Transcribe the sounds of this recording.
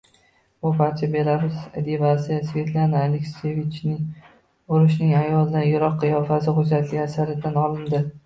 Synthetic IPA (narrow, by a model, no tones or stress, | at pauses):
bʊbaɾt͡ʃʰabe̞ɾabɪzd̪evasiasve̞t̪lˠanaːlekʲsevit͡ʃnɪŋ | ʊɾɪʃnɪŋajɒlˠɪd̪anjʊɾɒqʰːɨjɒfasɪqʊd͡ʒat̪ʰlɪɡʲasaɾɪd̪anɒlˠɪnd̪ɪ